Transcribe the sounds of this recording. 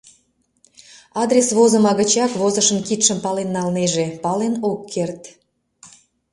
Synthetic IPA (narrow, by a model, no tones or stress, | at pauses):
ɑd̪ɾʲesβozəmɑɣət͡ɕɑkβozəʃənkit̪ʃəmpɑlenːɑlneʒepɑlenokʰːert̪